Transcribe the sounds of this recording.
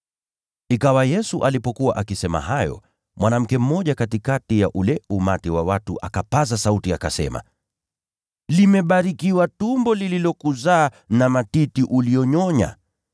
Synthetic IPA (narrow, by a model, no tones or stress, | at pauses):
ikawajɛsuʔalipɔkuwaʔakisɛma̰ɦajɔ̰ | mwanam̩kɛm̩mɔʄakatikatijaʔulɛumatiwawatuʔa̰kapazasautiakasɛ̰ma̰ | limɛɓaɾikiwatumbɔlililɔkuzaː | namatitiʔulijɔɲɔɲa̰